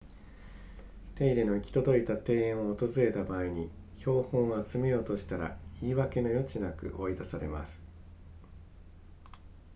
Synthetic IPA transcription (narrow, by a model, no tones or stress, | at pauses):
t̪e̞iɾe̞no̞ikʲi̥t̪o̞d̪o̞it̪at̪e̞ːẽɰ̃o̞ːt̪o̞zɨɾe̞t̪abaːiɲ̟i | ço̞ːhõ̞ɰ̃at͡sɨme̞jo̞ːt̪o̞ɕi̥t̪aɾa̰iːβake̞no̞jo̞t͡ɕinakɯ̟̰ʔo̞id̪asaɾe̞̰ma̰sɨ̥